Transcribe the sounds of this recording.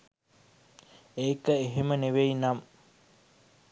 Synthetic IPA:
eikɐeɦeməneʋeinɐm

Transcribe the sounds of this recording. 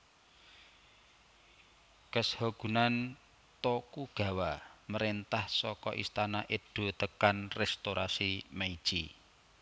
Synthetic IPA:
kəshoɡ̥ṳnan | t̪okuɡ̥ä̤waməɾent̪ahsɔkɔ̰ʔist̪anaʔeɖ̪̥o̤t̪əkanrɛst̪oɾʔasimaid̥ʒ̥i

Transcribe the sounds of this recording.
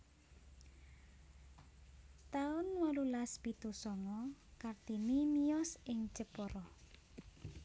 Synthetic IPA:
t̪aʊnwɔlulaspit̪usɔŋɔkard̪̥inimijɔsɪŋ̥t͡ʃəpɔɾɔ

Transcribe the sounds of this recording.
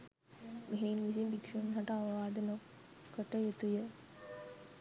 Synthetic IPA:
miɦeːnmis̬imbikʂənɦɐʈɐɐʋɐʋaːd̪ɐno | kːəʈəjet̪ujə

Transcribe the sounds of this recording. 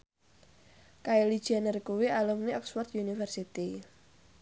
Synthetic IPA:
kaelid̥ʒ̥ianərkuwialumniɔkswɔrt̪junifərsit̪i

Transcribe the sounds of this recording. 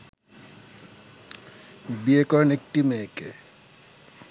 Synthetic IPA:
biekɔnek̚ʈimeːke

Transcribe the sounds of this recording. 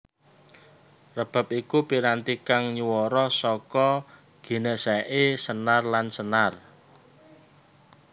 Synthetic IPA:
rəb̥a̤p̚ikupiɾant̪ikaŋɲuwɔɾɔsɔkɔ | ɡ̥i̤nəʔsaʔesənarlansənar

